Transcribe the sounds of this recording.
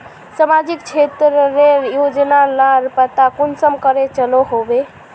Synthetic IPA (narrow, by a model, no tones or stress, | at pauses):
səmad͡ʒikt͡ʃʰet̪ɾɾeɾjod͡ʒnalaɾpət̪akonsəmkəɾet͡ʃəloɦobe